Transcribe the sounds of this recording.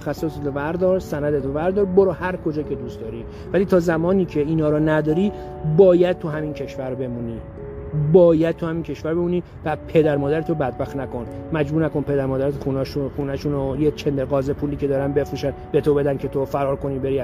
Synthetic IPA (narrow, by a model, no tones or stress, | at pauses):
xæsːoset̪ʰovæɾd̪ɒːɾsænæd̪et̪ʰovæɾd̪ɒːɾboɾɒːhæɾkʰo̞d͡ʒɒːcʰe̞d̪ust̪d̪ɒːɾiː | væliːt̪ʰɒːzæmɒːniːcʰe̞iːnɒːɾɔːnæd̪ɒːɾiː | bɒːjæd̪̥̚t̪ʰuɦæmiːncʰe̞ʃvæɾbe̞muːniː | bɒːjæd̪̚t̪ʰuhæmiːncʰe̞ʃvæɾbe̞muːniː | væpʰe̞d̪æɾmɒːd̪æɾet̪ʰobæd̪̚bæxt̪næko̞nmæd͡ʒbuːɾnæko̞npʰe̞d̪æɾmɒːd̪æɾet̪xunɒːʃuxuːnæʃunojet͡ʃʰend̪eɾɣɒːzepʰuːliːce̞d̪ɒːɾænbe̞fɾuːʃænb̥e̞t̪ʰobe̞d̪ænkʲʰe̞t̪ʰofæɾɒːɾko̞niːbe̞ɾi